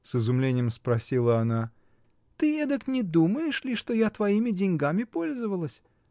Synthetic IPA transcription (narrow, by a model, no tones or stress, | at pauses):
sɨzʊmlʲenʲɪjəmspɾɐsʲilˠəɐna | t̪ɨed̪əknʲɪd̪uməjɪʂlʲɪʂt̪o̞jat̪vɐimʲɪdʲɪnʲɡamʲɪpo̞lʲzəvəlˠəsʲ